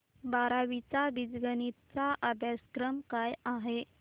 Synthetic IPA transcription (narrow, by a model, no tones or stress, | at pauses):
baɾaʋit͡sabid͡zɡənit̪t͡saʔabʱjaskɾəmkajaɦe